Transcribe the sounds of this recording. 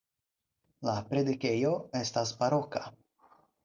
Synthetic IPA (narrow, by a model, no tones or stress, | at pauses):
lapɾed̪ikejo̞est̪asbaɾoka